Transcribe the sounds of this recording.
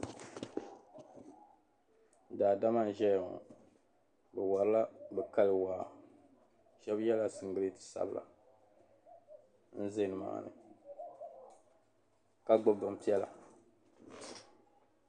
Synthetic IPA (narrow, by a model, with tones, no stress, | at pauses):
daː˨da˦ma˦˨n˨ʒɛ˦j̰ | bɛ˨wa˨ɾɨ˦la˦bɛ˨ka˦lɨ˨wa˨ | ʃɛ˦bjɛ˦la˦sɨ˨ŋ˦ɡɨ˨ɾi˦tɨ̥˨sa̰˨bla̰˨ | n̩˦ze˦nɨ˨ma̰˨nɨ̰˨ | ka˦ɡ͡bʊ˦bʊ˨m˨pi˦ɛ˦la̰˨